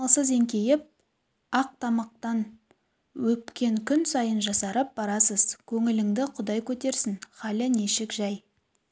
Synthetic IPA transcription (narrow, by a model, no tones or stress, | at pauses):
lˠsəze̞ŋkʲe̞jɪp̚ | ɑq̚t̪ʰɑmɑq̚t̪ɑn | wɵt̪kʲe̞ŋkʲʰʏnsɑjənʒɑsɑɾəp̚bɑɾɑsəz̥kʲʰɵŋɪlɪŋd̪ɪqʰʊd̪ɑjkʲʰɵt̪e̞ɾsɪŋχɑlɪneʃɪkʒɑj